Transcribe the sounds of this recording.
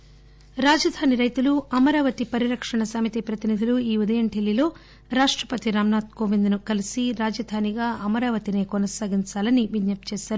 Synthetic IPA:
ɾaːd͡ʒɐd̪ʱaːniɾɐjt̪uluɐmɐɾaːʋɐt̪ipɐɾiɾɐkʂɐɳɐsaːmit̪ipɾɐt̪inid̪ʱiluiːud̪ɐjɐɳʈʰelːilo̞ː | ɾaːʂʈɾɐpɐt̪iɾaːmnaːt̪̚koːʋind̪nukɐlisiɾaːd͡ʒɐd̪ʱaːniɡaːʔɐmɐɾaːʋɐt̪ine̞ːkɔnɐsaːɡiɲt͡ʃaːlɐniʋidɲɐp̚t͡ʃɛːʃaːɾu

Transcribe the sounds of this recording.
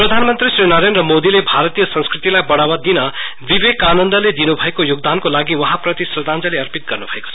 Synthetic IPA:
prʌd̪ʱanmʌnt̪risrinʌɾenrʌmod̪ilebʱaɾt̪ijʌsʌ̃nskrit̪ilajbʌɽawʌd̪inʌ | bibekanʌnd̪ʌled̪inubʱʌekojoɡ̚d̪ankolaɡiwʌɦaprʌt̪isrʌd̪and͡zʌleʌrpit̪̚ɡʌrnubʱʌeko̥t͡sʰ

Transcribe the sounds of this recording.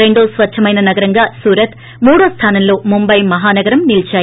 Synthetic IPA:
eɳɖoːsʋɐt͡ʃɐmɐjnɐnɐɡɐɾɐŋɡasuːɾɐt̪ | muːɽɐst̪ʰaːnɐmloːmumbɐjmɐɦaːnɐɡɐɾɐmnilt͡ʃaː

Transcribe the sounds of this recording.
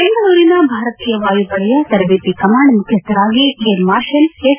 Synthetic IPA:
peːŋɡɐɽuːɾinɐbʱaːɾɐt̪ijɐʋaːjupɐɭɐjɐt̪ɐɾʋeːt̪ikɐmaːɳmʊkʰjɐst̪ɐɾaːɡikeːlmaːɾʃɐne

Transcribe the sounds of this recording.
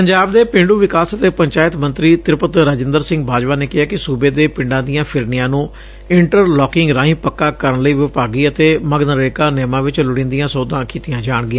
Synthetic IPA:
pəɲd͡ʒaːbd̪eːpɪ̃ɳɖuːʋɪkaːsət̪eːpəɲt͡ʃaːɪt̪mənt̪ɾiːt̪ɪɾpət̪ɾəd͡ʒɪnd̪əɾsɪ̃ŋɡ̚bʱaːd͡ʒʋaːneːkɪɦaːkɪsuːbeːd̪eːpɪɳɖãːd̪ijãːpʰɪɾnɪjãːnũː | ɪɳʈəɾlɔːkɪŋɡɾãːɦĩːpəkːaːkəɾənləiːʋɪpaːɡiːət̪eːməɡnəɾeːkãːnɛːmãːʋɪt͡ʃlʊɽ̃ɪ̃ːnd̪ijãːsoːd̪ãːkiːt̪ɪjãːd͡ʒaːɳɡɪjãː

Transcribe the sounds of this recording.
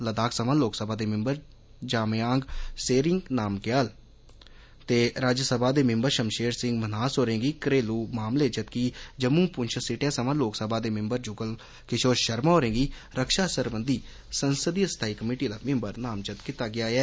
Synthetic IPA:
ləd̪aːksəmãːloːksəbʱaːd̪eːmɪmbəɾ | d͡ʒaːmjaːŋɡseːɾɪŋɡnaːmkɪjal | t̪eːɾaːd͡ʒsəbaːd̪eːmɪmbəɾʃəmʃeːɾsɪ̃ŋɡmənaːsɦoːɾẽːŋɡiːkɾeːluːmaːmleːd͡ʒət̪kiːd͡ʒəmũːpʊnʃʰəsɪʈẽːsəʋãːloːksəbʱaːd̪eːmɪmbəɾd͡ʒʊɡəl | kɪʃoːɾʃəɾmaːɦoːɾẽːɡiːɾəkʃaːsəɾbənd̪iː | sənsəd̪iːst̪ʰaːiːkəmiːʈiːd̪aːmɪ̃mbəɾnaːmd͡ʒət̪kit̪aːɡɪjaːɛː

